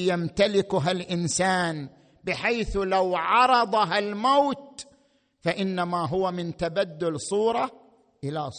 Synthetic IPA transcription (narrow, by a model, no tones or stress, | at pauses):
jamt̪alɪkʊɦalʔɪnsaːn | bɪħajθlawʕɑɾˤɑd̪ˤɑɦalmawt̪ | faʔɪnːamaɦʊwamɪnt̪abad̪ːʊlsˤuːɾˤɑ | ʔɪlas